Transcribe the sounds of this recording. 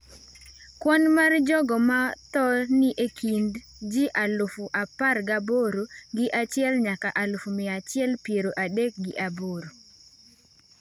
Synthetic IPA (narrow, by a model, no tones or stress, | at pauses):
kwɔnmard͡ʒɔɡɔmat̪ɔnɪʔekʰind | d͡ʒɪʔalʊfuʔaparɡaboɾoɡɪʔat͡ʃɪɛlɲakaʔalʊfumɪat͡ʃɪɛlpjeɾoʔadek̚ɡɪʔaboɾo